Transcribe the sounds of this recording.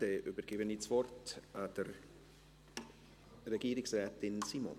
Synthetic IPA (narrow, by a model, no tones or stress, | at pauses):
deʔybəɾɡ̥ɪbənit͡svɔrtad̥əɾ | rɛɡiːɾɪksrɛːtɪnsiːmɔ̰n